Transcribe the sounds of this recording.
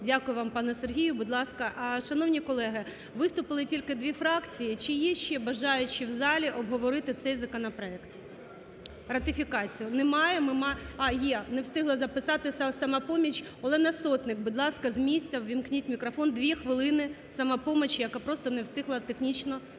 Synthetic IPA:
dʲakʊjʊʋɑmpɑnɛserɦʲijʊbʊd̪lˠɑskɐʔʃɐnɔwnʲikɔlˠɛɦɪ | ʋɪst̪ʊpɪlˠɪtʲilʲkɪd̪ʲʋʲifɾɑkt͡sʲijit͡ʃɪjɛʃt͡ʃːɛbɐʒɑjʊt͡ʃɪwzɑlʲiʔɔbɦɔʋɔɾɪt̪ɪt̪sɛjzɐkɔnɐpɾɔɛkt̪ | rɐt̪ɪfʲikɑt͡sʲijʊnɛmɑjɛmɪmɑɑjɛnewst̪ɪɦlˠɐzɐpɪsɑt̪ɪsɐsɐmɑpɔmʲit͡ʃ | ɐlˠɛnɐsɔt̪nɪkbʊd̪lˠɑskɐzmʲisʲt͡sʲːɐwʋʲimknʲitʲmʲikɾɔfɔnd̪ʋʲixʋɪlˠɪnɪsɐmɐpɔmet͡ʃjɐkapɾɔst̪ɔnewst̪ɪɦlˠɐt̪exnʲit͡ʃnɔ

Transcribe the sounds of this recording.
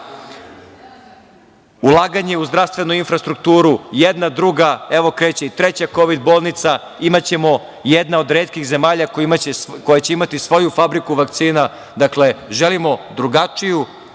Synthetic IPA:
ulˠaːɡaɲe̞uzd̪ɾafst̪ʋe̞nuinfɾast̪ɾuk̚t̪uːɾujed̪nad̪ɾuɡaeʋo̞kɾeːt͡ɕeit̪ɾet͡ɕako̞ʋid̪bo̞ːlˠnit̪sa | imat͡ɕe̞mo̞ | jed̪nao̞d̪ɾeːt̪kiɣze̞maːʎakimat͡ɕekojat͡ɕe̞imat̪isʋo̞jufabɾikuʋak̚t̪siːna | d̪akle̞ʒelimo̞d̪ɾuɡat͡ʃiju

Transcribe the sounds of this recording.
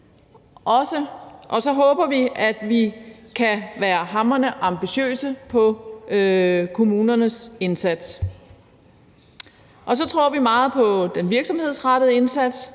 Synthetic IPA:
ʔɒ̽səʔɒ̽sɒ̽ɦɔ̽ːb̥ɐʋiʔæd̥ʋikʰæʋæːɐɦɑ̈mɐnəʔɑ̈mb̥iɕø̰ːsəpʰɒ̽ | kʰo̝muːnɐnəse̝nsæd̥s | ʔɒ̽sɒ̽t͡sʰʁo̝ɐ̰ʋimɑ̈ːð̩ˠpʰɒ̽d̥enʋiɐɡ̥sɒ̽mhe̝ð̞̰ˠsʁɑd̥əð̩ˠe̝nsæd̥s

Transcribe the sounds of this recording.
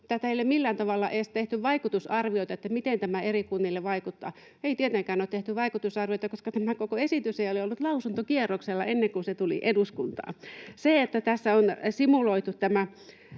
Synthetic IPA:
t̪ːæt̪æilːemilːæːnt̪ɑʋɑlːɑʔeːst̪eht̪yʋʋɑikut̪usɑrʋioit̪ɑet̪ːæmit̪ent̪æmæerikunːiːlːeʋʋɑikut̪ːɑ̰ː | eit̪iet̪eŋkæːnoːt̪eht̪yʋʋɑikut̪usɑrʋioit̪ɑkoskɑt̪æmækokoesit̪yseioliolːut̪lɑusunt̪okierːokselːɑenːeŋkunset̪ulḭʔeduskunt̪ɑ̰ːseet̪ːæt̪æsːæonsimuloit̪ut̪t̪æmæ

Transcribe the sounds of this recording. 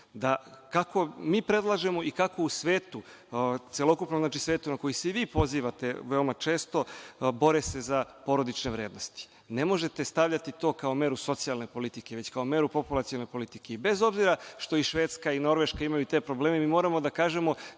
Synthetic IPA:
d̪akako̞miːpɾe̞d̪lˠaʒe̞mo̞ikako̞usʋeːt̪u | t̪selo̞kupnomznaːt͡ʃisʋeːt̪unako̞jiseiʋiːpo̞ziːʋat̪e̞ʋe̞omat͡ʃe̞ːst̪o̞bo̞ɾese̞zapo̞ɾo̞d̪it͡ʃne̞ʋɾe̞ːd̪no̞st̪i̥ | ne̞mo̞ʒe̞t̪e̞st̪aʋʎat̪it̪o̞ːkao̞me̞ɾuso̞t̪sialˠne̞po̞lit̪ik̟e̞ʋet͡ɕkao̞me̞ːɾupo̞pulˠat̪ionepo̞lit̪ike̞ibe̞zo̞bziɾaʃt̪o̞iʃʋeːt̪skaino̞ɾʋe̞ʃkaimajut̪e̞ːpɾo̞bleːmemiːmo̞ːɾamo̞d̪akaːʒe̞mo̞

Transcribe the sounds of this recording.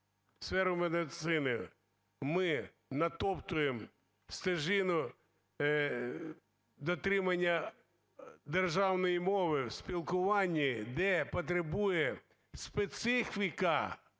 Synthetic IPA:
sfɛɾʊmed̪ɪt̪sɪnɪ | mɪ | nɐt̪ɔpt̪ʊjem | st̪ɐʒɪnʊ | d̪ɔt̪ɾɪmɐnʲːɐ | d̪erʒɑwnɔjimɔʋɪwspʲilˠkʊʋɑnʲːid̪ɛpɔt̪̬ɾebujɛ | spet̪sɪfʲikɐ

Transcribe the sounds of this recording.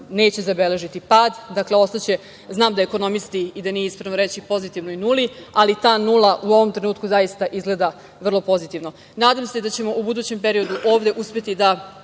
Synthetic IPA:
ne̞ːt͡ɕe̞zabe̞le̞ʒit̪ipaːd̪d̪akle̞o̞st̪at͡ɕe̞ | znaːmd̪aeko̞no̞misk̪iid̪anijeispɾenoɾe̞t͡ɕipo̞zit̪iʋnoinulialit̪aːnulˠaʔuo̞ʋo̞mt̪ɾe̞nuːt̪̚kuzajist̪aʔizɡle̞d̪a | ʋr̩lˠo̞po̞zit̪iʋno̞ | naːd̪amse̞d̪at͡ɕe̞mo̞ʔubud̪uːt͡ɕe̞mpe̞ɾio̞d̪uʔo̞ːʋd̪e̞ʔuspʲjet̪id̪a

